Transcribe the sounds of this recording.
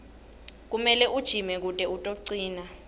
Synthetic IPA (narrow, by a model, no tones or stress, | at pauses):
k̬umɛlɛʔud̥ʒ̥ʱimɛk̬utʼɛutʼoǀiːna